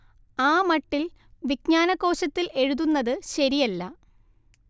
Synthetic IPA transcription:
aːmɐʈːil | ʋikɲaːnɐkːo̞ːɕɐt̪ːile̞ɻuðunːɐðɨɕɐɾijɐlːɐ

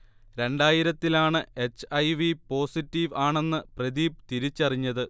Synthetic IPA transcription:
ɾe̞ɳɖaːjiɾɐt̪ːilaːɳɨe̞t͡ɕːɐjʋipo̞ːsitːiʋaːɳe̞nːɨprɐðiːp̚t̪iɾit͡ɕːɐriɲːɐðɨ

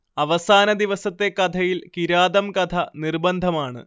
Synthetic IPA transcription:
ɐʋɐsaːnɐd̪iʋɐsɐt̪ːe̞kɐd̪ʰɐjilkiɾaːd̪ɐmkɐt̪ʰɐnirbɐnd̪ʱɐmaːɳɨ̰

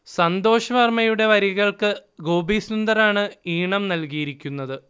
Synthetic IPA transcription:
sɐnd̪o̞ːɕɐʋɐrmɐjuɽe̞ʋɐɾjɐɣɐɭkɨɡo̞ːbiːsnund̪ɐɾaːɳɨiːɳɐmnɐlkijiɾikʲːunːɐðɨ

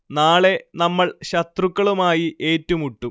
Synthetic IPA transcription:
naːɭe̞nɐmːɐɭɕɐt̪rukːɐɭumaːjiʔe̞ːtːɐmuʈːum

